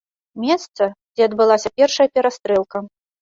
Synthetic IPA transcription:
mʲɛst̪sɐd͡zʲɛɐd̪bɨlˠasʲɐpʲɛrʂɐjɐpʲɛɾast̪ɾɛlˠkɐ

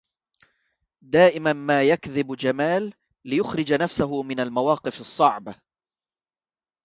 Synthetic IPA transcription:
d̪aːʔɪmanmaːjakðɪbd͡ʒamaːlː | ɪjʊxɾɪd͡ʒanafsaɦʊmɪnalmawɑːqɨfɨsˤːɑʕba

